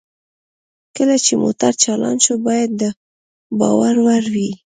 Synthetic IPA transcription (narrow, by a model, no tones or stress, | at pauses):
kəlat͡ʃemo̰t̪aɾt͡ʃala̰nʃobɑjad̪̚ːə | bɑ̰waɾwaɾwi